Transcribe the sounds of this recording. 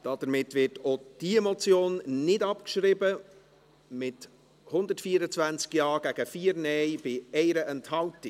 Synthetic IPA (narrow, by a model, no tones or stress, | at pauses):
d̥ɑd̥əɾmɪtvɪtod̥iɛmot͡sjoːnːɪdɑpkʃɾɪbə | mɪt | hʊnd̪ətfiːəɾət͡svænt͡skjɑːɡ̥æɡ̥əfiːəɾnɛjb̥ɪɛɪɾəʔɛnthɑltɪ